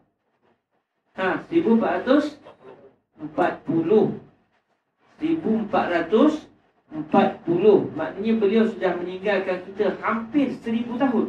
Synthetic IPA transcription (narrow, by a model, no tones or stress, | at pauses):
ãsəɾibuəmpaʔɾat̪ʊs | əmpat̪̚pulʊh | səɾibuəmpa̰t̪̚ɾat̪ʊs | əmpat̪̚pulʊhmaʔniɲəbəliawsədahməniŋɡalkankit̪əhampɪrsəɾibut̪aɦʊn